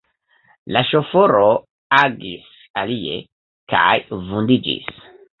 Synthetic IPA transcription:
laʃo̞foɾo | aɡis | alie̞̰ | ka̰jvundid͡ʒḭs

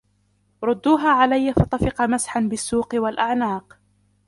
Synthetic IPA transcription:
ɾˤʊd̪ːuːɦaːʕalajːafɑt̪ˤɑfɪqɑmasħanbɪsːuːqwalʔaʕnaːq

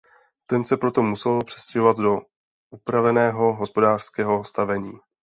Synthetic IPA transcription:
t̪ɛnsɛpɾo̞t̪o̞musɛlpr̥ɛ̥scɛɦovat̪do̞ | ʔupɾavɛnɛːɦo̞ɦo̞spo̞daːr̥skɛːɦo̞st̪avɛɲiː

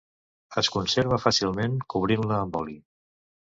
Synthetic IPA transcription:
əskunseɾβəfasilˠmeŋkuβ̞ɾinləːmbɔli

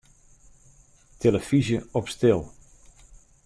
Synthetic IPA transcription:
tʰeləfizjəɔpstɪlˠ

